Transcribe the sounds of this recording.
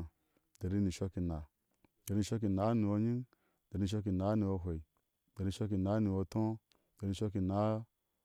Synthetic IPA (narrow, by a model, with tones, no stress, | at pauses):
d̥e˨ɾi˦ni˨ʃo˧ki˨na˨ | d̥ɾi˦ni˧ʃʷo˦k̬i˧na˨˦ni˨wo˧ɲi˦n | d̥ɾi˧ni˧˨o˦˧k̬i˧˨na˨˦ni˧wo˧ɦʷe˨i˨ | d̥ɾi˧ʃo˦k̬i˧na˨˦ni˨wo˧tõ˦ | dɾi˧ʃo˦ki˧na˨˦